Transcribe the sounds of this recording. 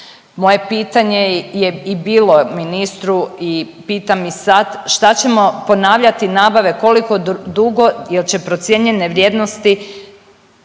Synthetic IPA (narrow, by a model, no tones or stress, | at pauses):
mo̞je̞piːt̪aɲejeibiːlo̞minist̪ɾui | piːt̪amisad̪ʃt̪at͡ɕe̞mo̞po̞naːʋʎat̪inaːbaʋe̞ko̞liko̞d̪uɡo̞jelt͡ɕe̞pɾo̞t̪sje̞ɲe̞ne̞ʋɾʲje̞ːd̪no̞st̪i